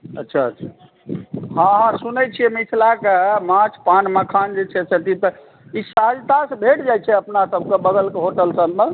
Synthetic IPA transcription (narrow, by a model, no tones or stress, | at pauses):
ətːʃʰaətʃʰa | hãɦãsunɛt͡ʃʰijɛmisʰlakemãt͡ʃʰpanməkʰand͡ʒet͡ʃʰɛsət̪it̪ɔ | isad͡ʒt̪asebʱeʈd͡ʒajt͡ʃʰɛəpnasəbkebəɡəlkeɦoʈəlsəlmə